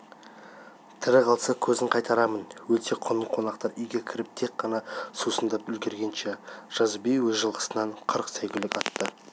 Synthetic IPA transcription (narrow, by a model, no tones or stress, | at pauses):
t̪ʰɪɾɪqʰɑlˠsəkʲʰɵzɪɴqʰɑjt̪ɑɾɑmənwɵt̪e̞qʰonəqʰo̞nɑqt̪ɑɾʏjɡʲekʲʰɪɾɪp̚t̪ʰe̞k̚qːɑnɑsusənd̪ɑpʏlɡʲe̞ɾɡʲe̞nʃeʒ̥ɑzbejwɵzʒəlˠʁə̥sənɑɴqʰəɾəqsæjɡʲɪlɪkɑt̪ːə